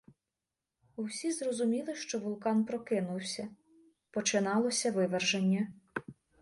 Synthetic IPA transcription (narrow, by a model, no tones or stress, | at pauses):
uwsʲizrɔzʊmʲilˠɪʃt͡ʃɔʋʊlˠkɑnpɾɔkɪnʊwsʲɐ | pɔt͡ʃɪnɑlˠɔsʲɐʋɪʋerʒenʲːɐ